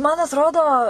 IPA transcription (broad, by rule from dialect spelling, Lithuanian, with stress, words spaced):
mɐn ɐtˈroːdoː